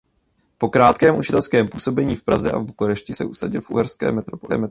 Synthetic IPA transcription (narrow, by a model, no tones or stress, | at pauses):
po̞kɾaːt̪kɛːmʔut͡ʃɪt̪ɛlskɛːmpuːso̞bɛɲiːfpɾazɛ̰ʔa̰vbukoɾɛʃcɪsɛʔusaɟɪlfʔṵɦɛɾskɛ̰ːmɛt̪ɾopoɛ̰ːmɛ